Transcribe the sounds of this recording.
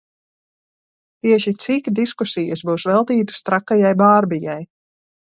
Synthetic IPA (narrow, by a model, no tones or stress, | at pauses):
t̪iɛʃit̪sikd̪iskusijəsbuːsvɛlˠt̪iːt̪ɨ̥st̪ɾakːajajbaːɾbijaj